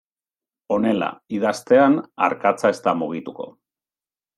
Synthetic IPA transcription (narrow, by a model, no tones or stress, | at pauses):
o̞ne̞la̰iðast̪e̞ana̰ɾkat͡sae̞st̪amuɣ̞it̪uko̞̰